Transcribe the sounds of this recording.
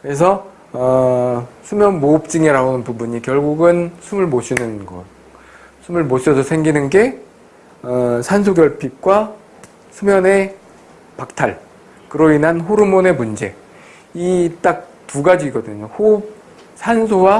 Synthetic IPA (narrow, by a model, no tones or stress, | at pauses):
kɯɾes̬ʰʌ | ʌ | sʰumjʌnmop̚t͡ɕ͈iŋeɾaonɯnpubuɲikjʌɭɡuɡɯnsʰumɯɭmoɕʰinɯnɡʌ̰t̚ | sʰumɯɭmoɕʰʌsʰʌsʰeŋɡinɯnɡe̞ | ʌsʰans̬ʰoɡjʌɭpʰik̚k͈wa | sʰumjʌne̞ | pak̚tʰaɭ | kɯɾoinɦanɦoɾumone̞mund͡ʑe̞ | it͈ak̚ | tuɡad͡ʑiːɡʌdɯɲohop̚ | sʰansʰowa